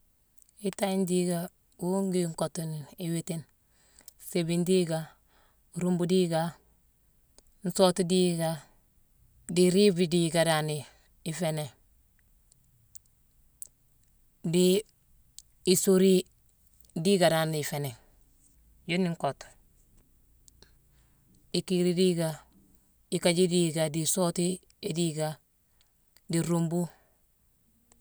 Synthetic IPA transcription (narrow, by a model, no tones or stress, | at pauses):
itaindiɡa | wuŋɡiŋkotuniwitin | sebindiɡa | ɾumbudiɡa | n̩sotudiɡa | diɾibidiɡadani | ifene | di | soɾi | diɡadaniifene | joniŋkot | ikiɾidiɡa | ikaɟidiːɡadisoti | idiɡa | diɾombu